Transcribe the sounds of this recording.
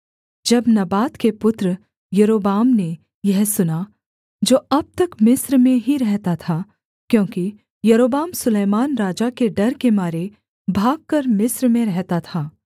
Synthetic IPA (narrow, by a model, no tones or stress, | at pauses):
d͡ʒɐbnɐbaːt̪kepʊt̪ɾə | jɐɾoːbaːmne | jɛɦsʊna | d͡ʒoːɐb̚t̪ɐkmɪsɾmẽɦiɾɛɦt̪at̪ʰa | kjõːki | jɐɾoːbaːmsʊleːmaːnɾaːd͡ʒakeɖɐɾkemaːɾe | bʱaːɡ̚kɐɾmɪsɾmẽɾɛɦt̪at̪ʰaː